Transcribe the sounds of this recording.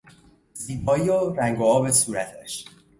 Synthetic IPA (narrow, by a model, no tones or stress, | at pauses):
ziːbɒːjoɾæŋɡoɒːbesuːɾæt̪ʰæʃ